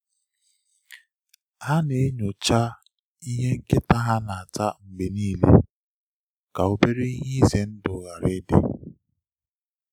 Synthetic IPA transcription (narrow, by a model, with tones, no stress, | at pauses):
ha˦ne˨˦ɲo˨t͡ʃa˦ | i˦ɦe˦ŋ̩˦kɪ˦ta˦ɦa˦na˨a˨ta˦ŋ͡m̩˨ɡ͡be˨niː˦lḛ˦ | ka˨o˦be˦ɾe˦i˦ɲi˦ze˨n̩˦dʊ˨ɣa˨ɾɪ˦dɪ̰˦